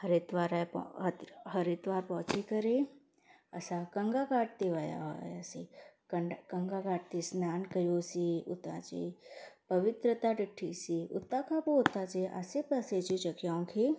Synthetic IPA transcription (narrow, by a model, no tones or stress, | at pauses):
həɾet̪ʋaːɾap̪ | ɦɐɾit̪ʋaːɾpɔt͡ʃikɐɾe | ɐ̰sakɐ̃ŋɡakaːʈ̚t̪eʋaːja̰ɦo̰ja̰sikəkə̃ŋɡakaːʈ̚t̪isnaːnkɐjoːsiʊt̪a̰t͡ʃḛpɐʋɪt̪ɾət̪aɖɪʈʰːisiʊ̰t̪ːakʰapoʊt̪at͡ʃeʔa̰sepɐset͡ʃit͡ʃɐkjaõkʰe